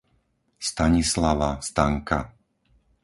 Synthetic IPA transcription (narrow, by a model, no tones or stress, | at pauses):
st̪aɲislaʋast̪aŋka̰